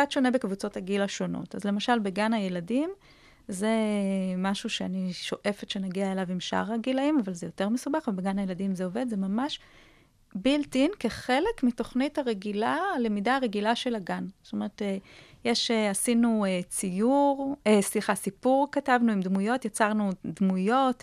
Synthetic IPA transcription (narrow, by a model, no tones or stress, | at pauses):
atʃo̞nebe̞kvut͡so̞thaɡilaʃo̞no̞̰tazle̞maʃalbe̞ɡanhaje̞ladim | zemaʃuʃeaniʃo̞ʔe̞fetʃe̞naɡiaelavimʃa̰ʁaɡilaimavalzejo̞te̞ʁmesubaχvebeɡanhaje̞ladimzeo̞ve̞dzemamaʃ | biltinke̞χe̞le̞kmito̞χnithaʁe̞ɡilale̞midaːʁe̞ɡilaʃe̞laɡanstome̞ʁet̪ejeʃeasinuet͡sijuʁesliχasipuʁkatavnuimdmujo̞tjat͡saʁnudmujo̞t